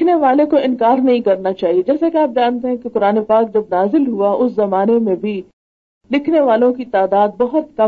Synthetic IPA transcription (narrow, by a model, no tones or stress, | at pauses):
neʋaːlekoɪ̃nkaːɾnɐɦĩkɐɾnat͡ʃaːɦied͡ʒɛːsakeaːp̚d͡ʒaːnt̪eɦɛ̃kekʊɾaːnepaːk̚d͡ʒɐbnaːzɪlɦuaʔʊszɐmaːnemẽbʱi | lɪkʰneʋaːlõkit̪aːd̪aːd̪̚bɐɦʊt̪̚kɐ